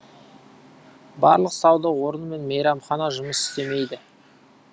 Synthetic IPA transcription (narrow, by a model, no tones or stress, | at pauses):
bɑɾlˠəqsɑwd̪əwo̞ɾənme̞nmejɾɑmχɑnɑʒʊməsɪ̥st̪e̞me̞jd̪ɪ